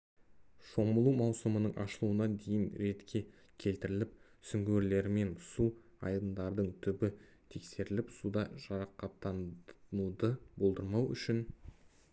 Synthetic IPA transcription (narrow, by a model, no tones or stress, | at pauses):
ʃo̞məlˠumɑwsəmənəɴʔɑ̰ʃəlˠuənɑnd̪e̞jɪnɾe̞t̪kʲʰe̞ | kʲʰe̞lt̪ɪɾɪlɪp̚sʏŋɡʲeɾle̞ɾɪme̞nsuɑ̰jd̪ənd̪ɑɾd̪əɴt̪ʰʏbɪ | t̪ʰe̞kse̞ɾɪlɪpsud̪ɑʒ̥ɑɾɑqɑt̪ːɑnud̪əbo̞lˠd̪əɾmɑwʏ̰ʃɪn